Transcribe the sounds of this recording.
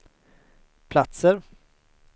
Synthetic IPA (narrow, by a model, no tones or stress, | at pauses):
pʰlat̪səɾ